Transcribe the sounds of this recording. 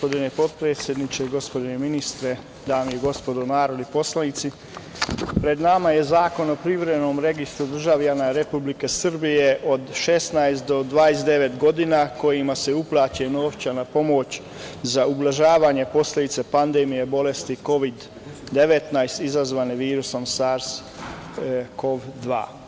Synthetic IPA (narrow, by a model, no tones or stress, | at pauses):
pod̪inepo̞t̪pɾeːt̪sʲje̞d̪nit͡ʃeɡo̞spo̞d̪ineminist̪ɾe̞ | d̪aːmiiɡo̞spo̞d̪onaːɾo̞d̪nipo̞slanit̪si | pɾe̞d̪namaje̞zaːko̞no̞pɾiʋɾeno̞ːmɾe̞ɡist̪ɾud̪r̩ʒaʋʎanaɾe̞publike̞sr̩bije̞ʔo̞d̪ʃe̞st̪najst̪d̪o̞d̪ʋaːest̪d̪e̞ʋe̞t̪ɡo̞d̪inako̞jimase̞uplˠaːt͡ɕeno̞ːʋt͡ɕanapo̞mo̞t͡ɕ | zaublˠaʒaːʋaːɲe̞po̞sle̞d̪it̪sepand̪emijebo̞le̞st̪iko̞ʋid̪ː | e̞ʋet̪najst̪izazʋaːneʋiːɾuso̞msaɾs | ko̞ʋd̪ʋa̰ː